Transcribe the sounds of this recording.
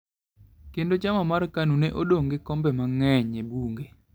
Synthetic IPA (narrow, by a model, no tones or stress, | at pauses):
kendod͡ʒamamarkanunɛʔodoŋɡɪkɔmbɛmaŋɛɲebuŋɡe